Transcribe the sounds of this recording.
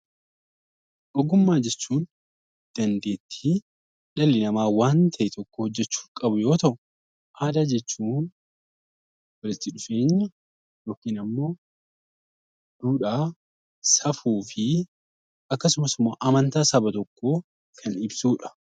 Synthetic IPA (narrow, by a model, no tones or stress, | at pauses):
ʔɔɡʊmːaːd͡ʒɛt͡ʃːuːn | d̪̥ɐnd̪e̞ːt̪ʰːi | ᶑɐlːɪnɐmaːwaːnt̪ʰɐʔɪt̪ʰɔkːoɔd͡ʒːɛt͡ʃːu̥ːŋkʼɐbʊjo̞ːt̪ɐʔʊ | ʔaːd̪aːd͡ʒɛt͡ʃːuːn | wɐlɪt̪ːɪᶑʊfe̞ːɲːɐ | joːkiːnɐmːo̞ː | d̪̥uːᶑaː | sɐfuːfɪ | ʔɐkːɐsʊmɐsɪmːoːʔɐmɐnt̪aːsɐbɐt̪ɔkːoː | kʰɐnɪbsuːᶑɐ̥